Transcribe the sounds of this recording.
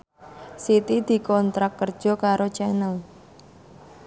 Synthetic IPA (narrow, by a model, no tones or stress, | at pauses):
sit̪id̪̥i̤kɔnt̪ɾakːər̥ʒ̥ɔ̤kaɾot͡ʃɛnəl